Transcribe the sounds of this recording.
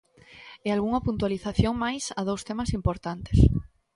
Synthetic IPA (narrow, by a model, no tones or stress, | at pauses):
ealɣuŋapunt̪waliθaθjoŋmajsað̞owst̪emasimpoɾt̪ant̪es